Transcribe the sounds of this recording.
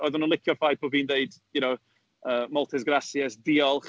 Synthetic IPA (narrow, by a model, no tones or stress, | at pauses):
ɔjðʊnənlˠɪkʰjɔfajp̚ʰɔviːndeɨd̥junow | əːmɔlˠtʰɪsɡrasjɛsdiːɔlˠχ